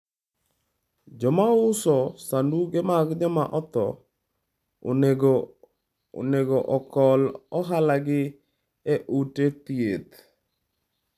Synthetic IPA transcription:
d͡ʒɔmaʊsɔsanduɡemaɡd͡ʒɔmaʔɔt̪ɔ | neɡɔʔɔkɔlɔɦalaɡɪ | eʔutet̪iet̪

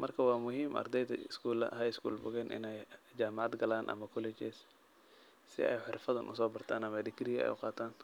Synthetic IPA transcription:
mɐrkʰɐwɑːmʊɦiːmʔɐ̰rd̪ɛjd̪ɐɪskʰuːlɐ̰ɦɐɪskṵːlbʊɣɛːnʔɪ̰nɛjd͡ʒaːmɑʕd̪ɡɐlaːnʔɐ̰mɐkʰʊlɛt͡ʃɛs | sɪ̰ɛ̰jħɪrfɐðɐnʔʊ̰sɔːbɐrt̪ʰaːnɐmɐd̪ɪkɾiɛ̰jʊ̰qɑːt̪ʰaːn

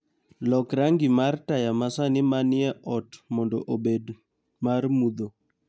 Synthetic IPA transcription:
lɔkɾaŋɡɪmartajamasanɪmanɪɛʔɔtmɔndɔʔobed | marmud̪o

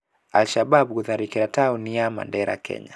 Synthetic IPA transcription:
alʃababkuðaɾikɛɾatauniama̰ndɛɾa̰kʰɛ̰ɲa

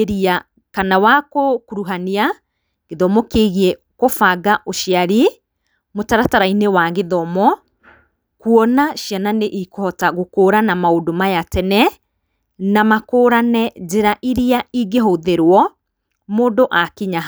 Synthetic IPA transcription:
eɾia | kanawakokuɾuɦania | ɣeðɔmɔkeɣiɛ | kofaɡaʔoʃiaɾi | motaɾataɾainewaɣeðɔmɔ | kuɔnaʃiananeʔikohɔtaɣokoːɾanamaodomajatɛnɛ | namakoːɾanɛd͡ʒeɾaʔiɾiaiɡeɦoðeɾwɔ | moːdoʔakiɲaɦ

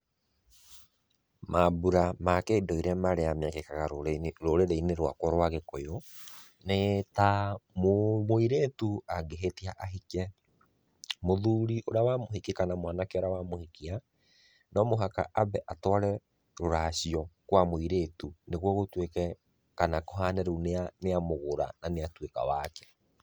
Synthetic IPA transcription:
mabuɾamakeːdɔiɾɛmaɾeamɛkekaɣaɾoɾeɾeineɾwa̰kɔɾwaɣekɔjo | netammoiɾetuaɡeɦetiaʔaɦikɛ | moðuːɾiʔoɾawamoɦekekanamwanakeɔɾawamohikia | nɔmoɦaka̰ʔabɛʔatɔɾɛ | ɾoɾaɕiɔkwamoiɾetuneɣwɔɣotwekɛ | kanakoɦanɛɾuneaneamoɣoɾa̰naneatweka̰wakɛ̥

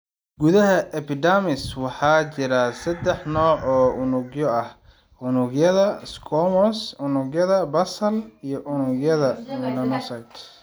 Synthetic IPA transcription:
ɡuðɐɦɐʔɛpʰɪd̪amɪswɑħɑːt͡ʃɪɾɐsɐd̪ɛħnɔːʕɔːʔʊnʊɡjɔɐh | ʊnʊɡjɐðɐskʰɔmɔsʊnʊɡjɐðɐbɐsɐlijɞʔʊnʊɡjɐðɐmɪlɐnɔsɐjt̪

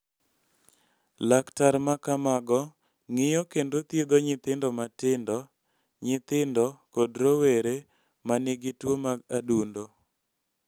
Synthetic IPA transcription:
laktaɾmakamaɡɔ | ŋɪjɔkendot̪jed̪oɲɪt̪ɪndɔmatɪndɔ | ɲɪt̪ɪndɔkɔdɾoweɾe | manɪɡɪtwomaɡadundo

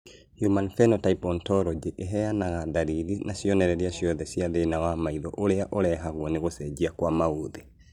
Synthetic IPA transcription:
hjumanfɛnɔtaipɔntɔɾɔd͡ʒeʔeɦɛjanaɣadaɾiɾinaʃiɔnɛɾɛɾiaʃiɔðɛsiaðenawamaiðɔʔoɾeaʔolɛɦaɣwɔneɣosɛd͡ʒiakwamauðe

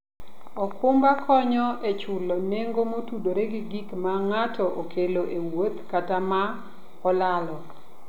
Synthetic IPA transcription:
ɔkʰʊmbakʰɔɲɔʔet͡ʃʊlɔneŋɡomotudoɾeɡiɡikmaŋatʰɔʔokʰeloʔewot̪katama | ɔlalɔ

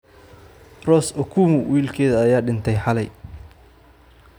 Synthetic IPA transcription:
rɔːsɔkʰuːmʊwiːlkʰɛːðɐːjaːɖɪnt̪ʰɛjħɑlɛj

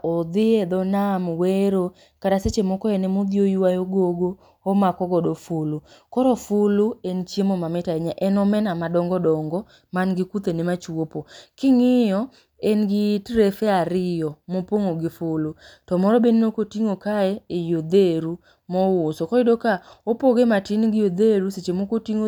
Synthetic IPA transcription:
ɔd̪ɪed̪ɔnamweɾo | kaɾaset͡ʃemɔkɔɛnɛmod̪jojuwajoɡoɡo | omakɔɡɔdofʊlʊkɔɾɔfʊlʊent͡ʃjemomamɛtaɛɲaʔɛnɔmɛnamadɔŋɡɔdɔŋɡɔ | manɡɪkut̪enemat͡ʃwopokɪŋɪjɔ | enɡɪtɾefɛaɾɪjɔmopoŋoɡɪfʊlutɔmɔɾɔbeninokotiŋokaɛejod̪eɾu | mɔwosokɔɪdokaopoɡematɪnɡɪjod̪eɾuset͡ʃemokotiŋo

